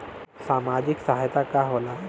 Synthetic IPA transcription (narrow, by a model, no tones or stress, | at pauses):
saːmad͡ʒɪksəɦajt̪ʰakaɦola